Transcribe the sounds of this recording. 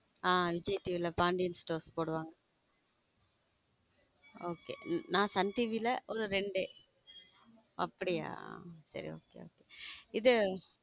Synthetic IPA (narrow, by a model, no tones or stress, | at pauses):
aːʋɪd͡ʒɐjʈiːʋilɐpaːɳɖɪjɐnsʈoːɾspoːɽɯʋaːŋɡɐ | oːkḛːnãːsɐnʈiːʋilɐʔɔɾɯɾɛɳɖeː | ɐpːɐɽɪja̰ːsɐ̰ɾḭo̰ːkḛːo̰ːkeɪðɯ